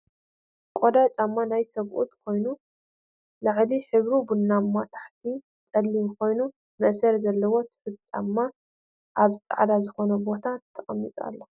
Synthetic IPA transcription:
kʼod̪at͡ʃʼamːanajsɐβʔṵt̪kʰo̞jnu | lɨʕliħɨβɾubunːamːat̪ʰḁħt̪ʰi | t͡sʼɐlːimkʰo̞jnu | mɨʔsɐɾzɐlːɐwo̞t̪ʰħɨbt͡ʃʼa̰mːa | ʔaβt͡sʼa̰ʕd̪azɨxo̞nɐbo̞t̪ʰatt̪ʰːɐχʼɐmːit͡sʼa̰lːɐ

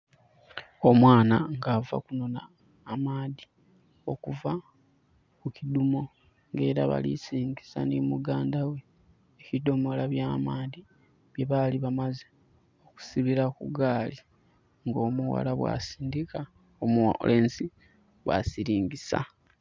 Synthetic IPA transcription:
o̞mwaːnaŋɡava̰kuno̞na̰ː | maːði | o̞kuva | kucidumo̞ | ŋɡe̞ːɾaβa̰lḭsiːŋɡisa̰nimuɡaːndawe | ecido̞mo̞laβjaːmaːði | βje̞βaliβamaze | oku̥siβiɾakuɡaːli | ŋɡoːmuwa̰laβwa̰siːndika | omle̞ːnsi | βwa̰siɾiːŋɟisa̰

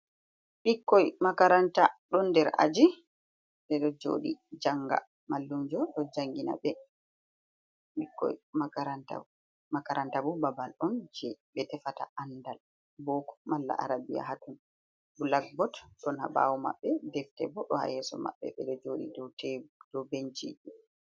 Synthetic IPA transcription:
ɓikːɔjmakaɾantaɗɔndɛɾa̰d͡ʒi | ɓɛɗɔd͡ʒo̰ːɗid͡ʒaŋɡa̰ | malːumd͡ʒɔɗɔd͡ʒaŋɡina̰bɛ | ɓikːɔ̰jmakaɾanta̰ | makaɾantabubabalʔɔnd͡ʒɛɓɛtɛfata̰ʔandal | boku̥malːa̰ʔa̰ɾabija̰ɦatun | bulaɡ̚bɔtɗɔnha̰ba̰wɔma̰ɓːɛdɛftɛ̰bɔɗɔha̰jɛsɔ̰ma̰ɓːɛ̰ɓɛɗɔd͡ʒoɗḭdɔtɛd̥ɔbent͡ʃiɗu

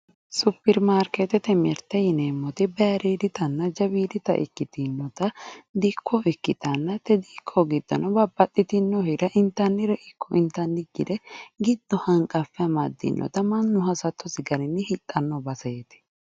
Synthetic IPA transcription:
supːɛɾmaːɾket̪ɛt̪ɛmɛɾt̪ɛjɪneːmːɔt̪ɪbɛɾiːd̪ɪt̪ɐnːɐd͡ʒɐbiːd̪ɪt̪ɐ̰ʔɪ̰kːɪt̪ɪnːɔt̪ɐd̪ikʰːɔɪkːɪt̪ɐnːɐt̪ːɛd̪iːkʰːɔɡɪd̪ːɐ̰nɔbɐbːɐt̪ʼːɪt̪ɪnːɔhɪɾɐʔɪnt̪ːɐnːɪɾɛʔɪkːɔʔɪnt̪ːɐnːɪɡːɪ̰d̪ɛɡɪd̪ːɔhɐŋkʼɐfːɛɐmɐd̪ːɪ̰nːɔ̰t̪ɐmɐnːʊɦɐsɐt̪ːɔsɪɡɐɾɪnːɪhɪt̪ʼːɐnːɔbɐset̪ɪ̥

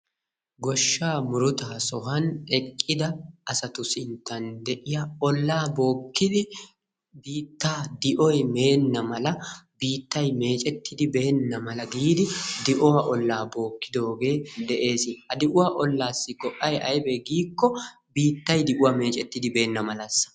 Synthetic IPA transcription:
ɡɔʃːaːmʊɾʊt̪aːsɔɦɐnɛkʼːɪd̪ɐɐsɐt̪ʊsɪnt̪ːɐnd̪ɛʔɪjɐɔlːaːbo̞ːkːɪd̪ɪ | biːt̪ːaːd̪ɪʔɔjme̞ːnːɐmɐlɐbiːt̪ːɐjme̞ːt͡ʃʼɛt̪ːɪd̪ɪbe̞ːnːɐmɐlɐɡiːd̪ɪd̪ɪʔɔwɐʔɔlːaːbo̞ːkːɪd̪o̞ːɡe̞ːd̪ɛʔe̞ːsɪɐd̪ɪʔʊwaːʔɔlːaːsːɪɡɔʔʼːɐjʔɐjbɛɡiːkːɔ | biːt̪ːɐjd̪ɪʔʊwaːme̞ːt͡ʃʼɛt̪ːɪd̪ɪbe̞ːnːɐmɐlɐsːɐ̥

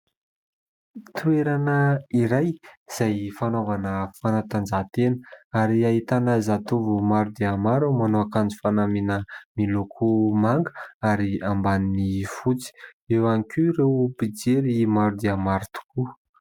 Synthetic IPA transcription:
t̪ueɾanəiɾajz̥ajfanovanəfanat̪and͡ʒat̪enəaɾiaɦit̪anəzat̪uvumaɾud̪eamaɾumanoakand͡zu̥fanaminəmilokʰumaŋɡə̥aɾiambaninifut͡si̥ewanikuɾewpid͡zeɾimaɾud̪eamaɾut̪u̥ku

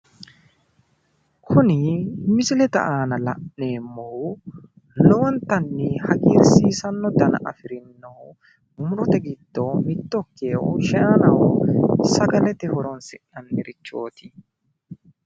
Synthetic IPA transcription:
kʰʊnɪmɪsɪlɛt̪ɐ̰ʔaːnɐlɐ̰ʔne̞ːmːoː | lɔwɔnt̪ɐnːɪhɐɡiːɾsiːsɐnːɔd̪ɐnɐ̰ʔɐfɪɾɪnːo | ʊmʊɾɔt̪ɐɡɪd̪̥ːoːmɪt̪ːɔkːeːʔɔʃɐaːnɐwɔsɐɡɐlɛt̪ɛhɔɾɔnsɪʔɐnmɪɾɪt͡ʃːo̞̰ːt̪ɪ̥

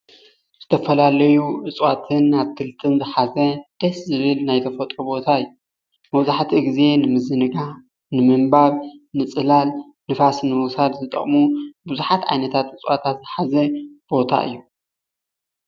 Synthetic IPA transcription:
z̥ɨt̪ʰɐfɐlalɐjuʔɨt͡sʼwat̪ʰɨnaβkʰɨlt̪ʰɨnzɨħazɐd̪̥ɐszɨβɨlnajt̪ʰɐfɐt̪ʼɾubo̞t̪ʰaɨjːju | mɐβzaħt̪ʰiɡize̞nɨmɨzɨnɨɡa | nɨmɨmbaβnɨt͡sʼɨlal | nɨfasnɨmɨsad̪zɨt̪ʼɐ̰χʼmubuzuħat̪ʕa̰jnɐt̪ʰat̪ʔɨt͡sʼwat̪ʰat̪zɨħazɐb̥o̞t̪ʰa̰ʔɨ̰jːu

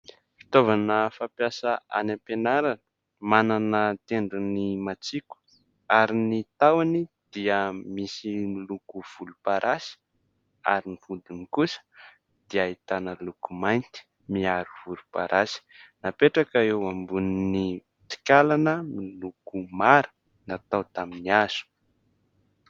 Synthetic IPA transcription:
fi̥t̪ovanəfapjasaa̰napenaɾanə̥ | mananət̪eɳɖ͡ʐunimat͡siku̥ | aɾinit̪awani | d̪̥iəmisimilukuv̥ulupaɾʔasi̥ | a̰ɾinivud̪inikusə̥ | d̪̥iait̪anəlukumajnt̪i̥ | miaɾuv̥ulupaɾʔasi̥napeʈ͡ʂakaewambuniniit̪i̥kʲalanəmilukumaɾə̥ | nat̪awt̪aminiaz̥u̥

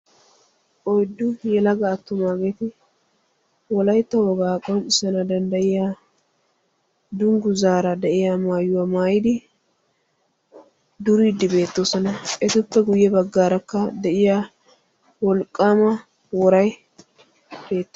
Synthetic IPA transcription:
ʔɔjd̪ːʊjɛlɐɡɐːt̪ːʊmaːɡeːt̪ɪ | wɔlɐjt̪ːɐwɔɡaːkʼɔnɪsɐnɐd̪ɐnd̪ɐʔɪjaː | d̪ʊŋɡʊzaːɾɐd̪ɛʔɪjamaːjːʊwɐmaːjɪd̪ɪ | d̪ʊɾid̪ːɪbe̞ːt̪ːoːsɔnɐʔɛt̪ʊpːɛɡʊjːɛbɐɡːaːɾɐkːɐd̪ɛʔɪjaː | wɔlkʼːaːmɐ | wɔɾɐj | b̥e̞ːt̪ːɐ

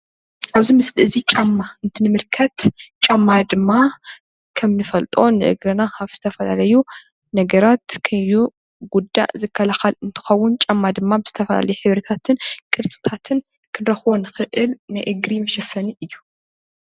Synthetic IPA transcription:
ʔaβzimɨslɨzit͡ʃʼamːaɨnt̪ʰɨnɨmɨlkʰɐt̪t͡ʃʼamːad̪ɨmːa | kʰɐmnɨfɐlt̪ʼo̞nɨʔɨ̰ɡɾɐnahaβz̥ɨt̪ʰɐfɐla̰lɐju | nɐɡɐɾat̪kʰɐju | ɡud̪ːa̰zɨkʰːɐlaxɐlɨnt̪ʰɨ̥xɐwːʊnt͡ʃʼamːad̪ɨmːabɨz̥ɨt̪ʰɐfɐla̰lɐjuħɨβɾɐt̪ʰat̪ʰɨnkʼɨɾt͡sʼɨ̥t̪ʰat̪ʰɨn | kʰɨnɾɐxβo̞nɨxɨʔɨlnɨʔɨɡɾimɐʃɐfɐniʔɨjːu

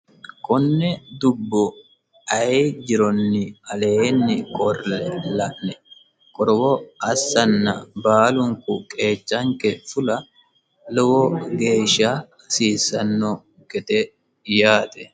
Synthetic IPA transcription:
kɔnːɛd̪ʊbːɔ | ɐd͡ʒɪɾɔnːɪɐleːnːɪkʰʼɔɾlɛlɐʔnɛ | kʼɔɾɔwɔɐsːɐnːɐbaːlʊŋkʊkʼe̞ːt͡ʃːɐŋkɛfʊlɐ | lɔwɔɡe̞ːʃaː | siːsɐnːɔ | ɡɛt̪ɛ | jaːt̪ɛ

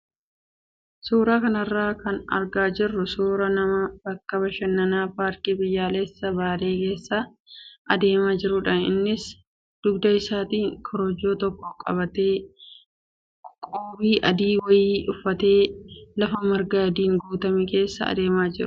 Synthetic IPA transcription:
suːɾaːkɐnɐrːaːkɐnɐ̰ɾɡaːd͡ʒɪrːʊsuːɾɐnɐmɐb̥ɐkːɐbɐʃɐnːɐnaːpaːɾkibɪjːaːlɛsːɐbaːɾe̞ːke̞ːsːɐ | ʔɐd̪e̞ːmaːd͡ʒɪɾʊᶑɐnɪ̰nːɪs | d̪̥ʊɡd̪ɐɪsaːt̪iːŋkʰɔɾɔd͡ʒːoːt̪ɔkːɔkʼɐ̰bɐt̪eː | kʼoːbiːʔɐd̪iːwɐjiːʊfːɐt̪e̞ːlɐfɐmɐɾɡɐjɐd̪iːŋɡuːt̪ɐmike̞ːsːɐ̰ɐ̰d̪e̞ːmaːd͡ʒɪɾʊ̥

